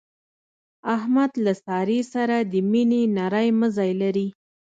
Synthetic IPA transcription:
ahmad̪lasɑɾesaɾad̪əminenaɾajməzɑjlaɾi

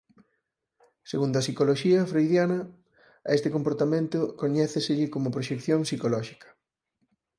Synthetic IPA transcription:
seɣund̪oɐsikoloʃiɐfɾejðjanɐ | est̪ɪkompoɾt̪amẽnt̪ʊkoɲɛθɪsɪʎɪkomʊpɾoʃekθjoŋsikolɔʃi̥kɐ̥

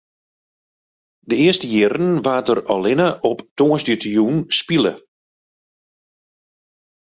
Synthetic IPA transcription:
dəɪəstəjɪɾənʋaːtərɔlɪnəʔɔptoəsdətjunspilˠə̰

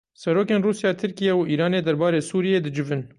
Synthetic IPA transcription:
sɛɾoːkeːnruːsjɑːt̪ʰɨɾkijɛwiːɾɑːneːd̪ɛɾbɑːɾeːsuːɾijeːd̪ɨd͡ʒɪvɨn

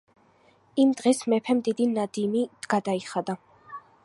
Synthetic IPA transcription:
imd̪̥ʁɛsmɛpʰɛmd̪id̪inad̪imiɡ̥ad̪aiχad̪a

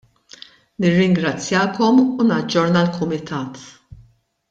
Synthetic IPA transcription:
nɪrːɪŋɡɾɐt͡sːjɐːkɔmunɐd͡ʒːɔɾnɐlkʰʊmɪt̪ʰɐːt̪

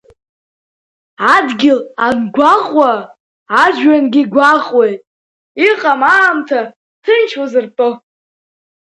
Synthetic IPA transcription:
adɡʲɪlanɡʷaχʼwaː | d͡ʒɥanɡʲiɡʷaχʼwejtʼ | iqʼamaːmtʰa | tʰɨnt͡ʃʰwazɨrpʼɨ

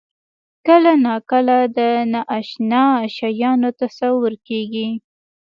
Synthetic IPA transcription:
kəlanɑkəlad̪ənaʔaʃnɑʃɑjɑnot̪asawʊɾkeɡi

